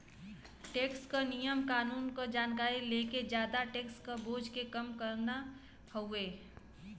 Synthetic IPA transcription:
ʈeːkskonijəmkaːnuːnkod͡ʒaːnkaːɾileːked͡ʒjaːd̪aʈeːkskoboːd͡ʒkekɐmkəɾna | həueː

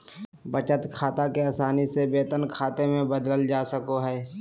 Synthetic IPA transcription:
bət͡ʃət̪kʰaːt̪akeaːsaːnisebeːt̪ənkʰaːt̪emẽbəd̪ləld͡ʒaːsəkoɦɛː

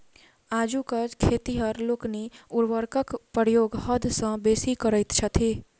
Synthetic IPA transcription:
aːd͡ʒukəd͡ʒkʰeːt̪iɦəɾloːkniʊɾʋəɾkəkpəɾjoːɡɦəd̪ʱsə̃beːsikəɾəɪt̪t͡ʃʰət̪ʰeː

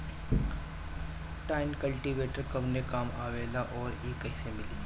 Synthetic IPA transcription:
ʈaːɪnkɐlʈiʋeːʈəɾkɐʋnekaːmaːʋeːlaʔɔːɾeːkɛɦsemɪliː

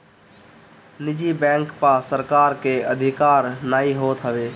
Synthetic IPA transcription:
nɪd͡ʒibɛ̃ːŋkpasəɾkaːɾkeəd̪ʱɪkaːɾnaːiɦoːt̪ɦəʋeː

